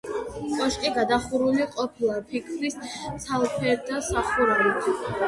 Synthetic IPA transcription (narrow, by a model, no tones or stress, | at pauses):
kʼɔʃkʼiɡad̪aχuɾuliqʼɔpʰilˠapʰikʰɾist̪sʰalˠpʰɛɾd̪asaχuɾaɾi